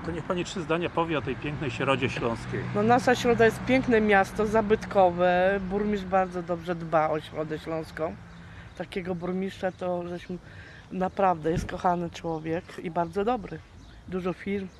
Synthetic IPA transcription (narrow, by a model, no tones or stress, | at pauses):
t̪ɔɲɛxpaɲitʂɘzd̪aɲapɔvʲjɛɔt̪ɛjpʲjɛŋknɛjɕɾɔd͡ʑɛɕlɔ̃w̃skʲejnɔnaʂaɕɾɔd̪ajɛst̪̚pʲjɛŋknɛmʲjast̪ɔzabɘt̪kɔvɛbuɾmʲiʐbaɾd̪zɔd̪ɔbʐɛd̪baɔɕɾɔd̪ɛɕlɔ̃w̃skɔ̃w̃ | t̪akʲɛɡɔbuɾmʲiʂt͡ʂat̪ɔʐɛɕm | napɾavd̪ɛjɛst̪̚kɔxanɘt͡ʂwɔvʲjɛkibaɾd̪zɔd̪ɔbɾɘ | d̪uʐɔfʲiɾm